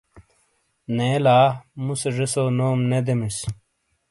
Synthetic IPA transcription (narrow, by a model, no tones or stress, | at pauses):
neːlaːmuseʐisoːnoːmned̪emis